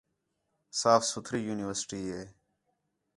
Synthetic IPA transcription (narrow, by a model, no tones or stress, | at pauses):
saːfsʊt̪ʰɾiːjuːnɪʋəɾsɪ̥ʈiːeː